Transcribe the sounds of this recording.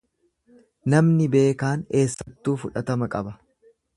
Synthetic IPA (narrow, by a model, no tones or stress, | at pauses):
nɐmnɪbe̞ːkaːneːsːɐt̪ːuːfʊᶑɐt̪ɐmɐkʼɐbɐ